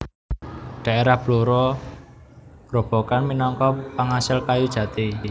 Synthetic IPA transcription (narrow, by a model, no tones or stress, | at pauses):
ɖ̥a̤ʔeɾahb̥luɾɔ | ɡ̥ro̤b̥ɔ̤kanminɔŋkɔpaŋasɪlkajud̥ʒ̥ä̤t̪i